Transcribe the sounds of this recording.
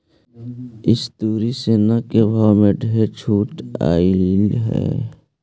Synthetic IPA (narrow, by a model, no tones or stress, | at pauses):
ɪst̪uːɾiseːnakebʱaːwmẽɖʱet͡ʃʰuːʈa̰ːiɦɛ̰ː